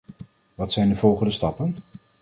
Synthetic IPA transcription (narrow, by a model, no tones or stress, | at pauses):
ʋɑtsɛjndəvɔlˠχəndəstɑpən